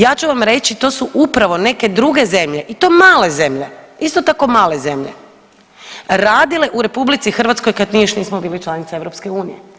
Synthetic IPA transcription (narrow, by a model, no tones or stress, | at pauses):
jaːt͡ɕuʋamɾe̞t͡ɕit̪o̞ːsuʔupɾaʋo̞ne̞ke̞d̪ɾuɡe̞ze̞mʎe̞ʔit̪o̞ːmaːle̞ze̞mʎeist̪ot̪ako̞maːle̞ze̞mʎe | ɾaːd̪ile̞ʔuɾe̞publit̪sixr̩ʋat̪ko̞jkad̪niːjoʃniːsmobiːlit͡ʃlanit̪saeʋɾopske̞uːnije